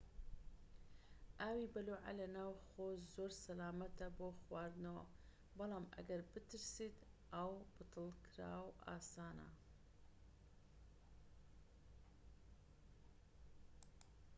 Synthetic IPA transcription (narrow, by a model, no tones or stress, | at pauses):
ʔaːwibɐluːʕa̰lɐnaːwxoːzoːɾsɐlaːmɐt̪ɐboːxwaːɾd̪nawa | bɑlɑːmʔɐ̰ɡɐɾbɨt̪ʰɨɾsiːt̪ʔawb̥ɨt̪ʰɨlˠkʰɾa̰ːwʔa̰ːsaːna̰